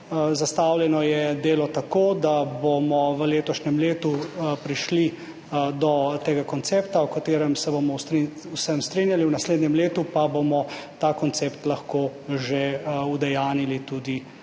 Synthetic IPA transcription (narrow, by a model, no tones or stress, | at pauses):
zast̪aːwljɛnɔjɛd̪eːlɔt̪akoːd̪abomɔʋəleːt̪ɔʃnɛmleːt̪upɾiʃli | d̪ɔt̪eːɡakɔnt̪seːpt̪awkat̪eːɾɛmsɛbomɔst̪ɾi | usɛmst̪ɾinjaliuwnasleːd̪nʲɛmleːt̪upabomɔt̪aːkɔnt̪seːpt̪laxkoʒeud̪ɛjaːnilit̪ud̪i